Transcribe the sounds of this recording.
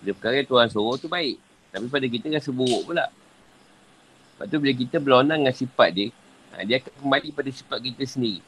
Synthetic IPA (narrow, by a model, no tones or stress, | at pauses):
dəpəkaɣat̪uɦansoɣɔt̪ubaɪʔ | t̪apip̬adak̬it̪əɾasəbuwɔʔpula̰ʔ | əba̰ʔt̪ubilək̬it̪əbəlonaŋŋansipat̪̚diə | a̰diakaʔ̚kəmbalipadasi̥pat̪̚kit̪əsəndiɾi